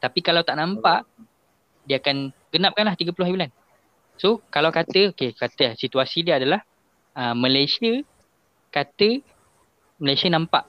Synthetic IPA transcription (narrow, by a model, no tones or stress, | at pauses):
t̪apikalawt̪aʔnãmpaʔ | diəakanɡənap̚kanlaht̪iɡapulʊhabulan | sokalawkat̪əokekat̪əasit̪uasidiəadalah | əmə̃lajsiə | kat̪ə | məlajsiənãmpaʔ